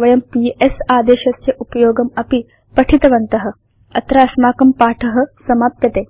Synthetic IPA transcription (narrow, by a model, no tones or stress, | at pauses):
ʋɐjɐmpiesaːd̪eːʃɐsjɐʔupɐjoːɡɐmɐpi | pɐʈʰit̪ɐʋɐnt̪ɐɦɐ̆ | ɐt̪ɾɐɐsmaːkɐmpaːʈʰɐɦɐ̆sɐmaːp̚t̪jɐt̪eː